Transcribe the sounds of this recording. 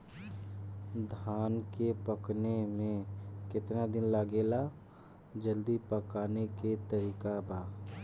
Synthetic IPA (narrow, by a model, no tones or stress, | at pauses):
d̪ʱaːnkepəknemẽkɪt̪nad̪ɪnləɡeːla | d͡ʒəld̪ipəkaːneket̪əɾiːkabaː